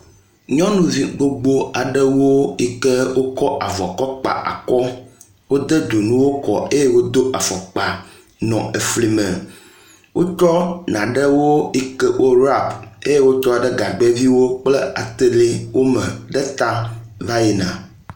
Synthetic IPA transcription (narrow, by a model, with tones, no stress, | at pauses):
ɲɔ̃˦nũ˦vi˦ɡ͡bo˦ɡ͡bo˦a˨ɖɛ˦wo˦i˦kɛ˦wo˦kɔ˦ʔa˨vɔ˨kɔ˦k͡pa̰˨ʔa̰˨kɔ˦ | wo˦d̪ɛ˦d̪o˨nũ˦wo˦kɔ̰˨e˦je˦wo˦d̪o˦ʔa˨fɔ˨k͡pa˨ | nɔ̃˨e˨fli˨mɛ̃˨ | wo˦t͡ʃɔ˦nã˨ɖə˦wo˦i˦kə˦ʔo˦ɾa˦˨be˦je˦wo˦t͡ʃɔ˦˨ɖɛ˦ɡa˨ɡ͡be˦vi˦wo˦k͡plɛ˦a˨t̪e˦le˦wʔo˦mɛ̃˨ɖɛ˦t̪a˦va˦je˨nã̰˨